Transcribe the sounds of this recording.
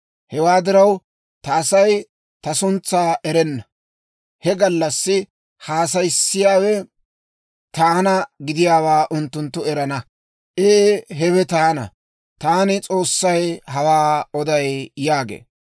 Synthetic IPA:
hɛwaːd̪ɪɾɐw | t̪ɐʔːsɐj | t̪ɐsʊnt͡sːaːʔɛɾɛnːɐ | hɛɡɐlːɐsːɪ | haːsɐjsːɪjaːwɛ | t̪aːnɐɡɪd̪ɪjaːwaːʔʊnt̪ːʊnt̪ːʊɛɾɐnɐ | ʔeːɦɛwɛt̪aːnɐ̰ | t̪aːnɪt͡sʼo̞ːsːɐjɦɐwaːɔd̪ɐjjaːɡḛː

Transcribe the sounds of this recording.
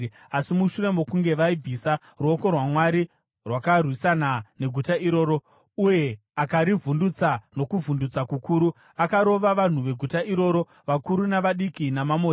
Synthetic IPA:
asimuʃure̞mo̞kuŋɡe̞ʋaib͡visa | ruoko̞rwamwaɾi | rwakarwisanane̞ɡʱutaiɾo̞ːɾo̞ | uje̞ | akaɾivundut͡sano̞kuvʱundut͡sakukuːɾu | akaɾo̞ʋaʋan̤uʋe̞ɡʱutaʔiɾo̞ːɾo̞ | ʋakuɾunaʋaɗikinamamo

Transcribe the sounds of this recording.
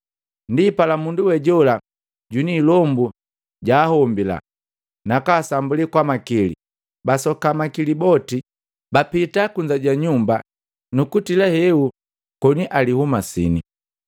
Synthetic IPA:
ndipalamunduwɛɟɔla | ɟunilɔmbu | ɟaːhɔmbila̰ | nakaːsambulikwamakilḭ | basɔkamakilibɔti | bapitakuɲd͡ʒaɟaɲumba | nukutilahɛu | kɔniʔalihumasḭni

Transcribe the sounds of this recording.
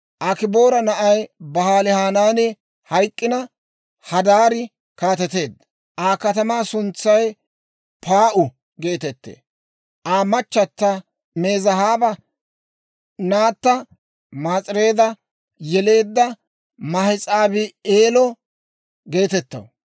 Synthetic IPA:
ʔakɪboːɾɐnɐʔɐjbɐhaːlɪhaːnaːnɛ | hɐjkʼːɪnɐ | hɐd̪aːɾɪ | kaːt̪ɛt̪e̞ːd̪ːɐ | ʔaːkɐt̪ɐmaːsʊnt͡sːɐj | pʰaːʔʊ | ɡe̞ːt̪ɛt̪ːḛː | ʔaːmɐt͡ʃːɐt̪ːɐ | me̞ːzɐhaːbɐ | naːt̪ːɐ | maːt͡sʼɪɾe̞ːd̪ɐ | jɛle̞ːd̪ːɐ | mɐhɪt͡sʼaːbɪeːlɔ | ɡe̞ːt̪ɛt̪ːɐ̰w

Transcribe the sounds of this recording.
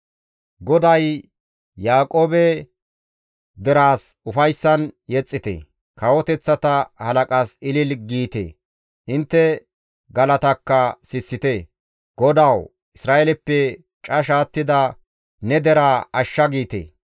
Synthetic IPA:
ɡɔd̪ɐj | jaːkʼo̞ːbɛ | d̪ɛɾaːsʊfɐjsːɐnjɛt͡sʼːɪt̪ḛ | kɐwɔt̪ɛt͡sːɐt̪ɐhɐlɐkʼaːsɪlɪlɡiːt̪ḛː | ʔɪnt̪ːɛ | ɡɐlɐt̪ɐkːɐsɪsːɪt̪e | ɡ̥ɔd̪aw | ʔɪsɾaːelɛpːɛ | t͡ʃʼɐʃ̬aːt̪ːɪd̪ɐ | nɛd̪ɛɾaːɐʃːɐɡiːt̪ḛː

